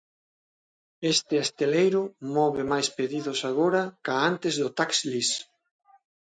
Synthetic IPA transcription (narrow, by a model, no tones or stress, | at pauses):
est̪ɪast̪elejɾʊmɔβɪmajspeðiðʊsaɣ̞oɾɐkaant̪ezðʊt̪akslis